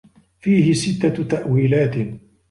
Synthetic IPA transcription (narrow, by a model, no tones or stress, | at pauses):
fiːhɪsɪt̪ːat̪aʔwiːlaːt̪